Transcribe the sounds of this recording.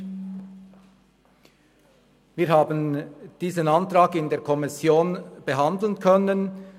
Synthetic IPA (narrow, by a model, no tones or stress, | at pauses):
ʋiːɾhɑːbənd̪̥iːsənɑnt̪ɾɑːɡɪnd̪eːɾkʰɔmɪsjoːnb̥əɦɑnd̪l̩nkʰœnən